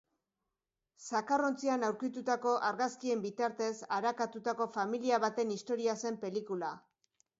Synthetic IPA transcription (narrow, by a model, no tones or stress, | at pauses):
sakaro̞nt͡sianawɾkit̪ut̪ako̞ʔaɾɣaskie̞mbit̪aɾt̪e̞saɾakat̪ut̪ako̞familiaβ̞at̪e̞nist̪o̞ɾiase̞mpe̞likula